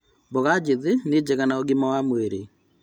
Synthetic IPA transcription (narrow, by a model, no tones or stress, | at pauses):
boɣad͡ʒeðened͡ʑeɣanaoɣimawamweɾe